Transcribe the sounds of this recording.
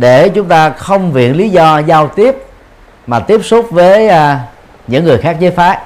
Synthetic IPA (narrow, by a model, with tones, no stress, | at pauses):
ɗe˧˩t͡ɕʊ˨˦ŋ͡mt̪aː˧xə˧wŋ͡mvḭ˧˨ənli˨˦zɔ˧zaː˧wt̪i˦˥əp̚ | maː˨˩t̪i˦˥əp̚su˦˥k͡p̚vəː˨˦jː | ɲɨ̰˧˥ŋːɨ˨˩əjxaː˦˥k̚zəː˨˦jfaː˨˦˥j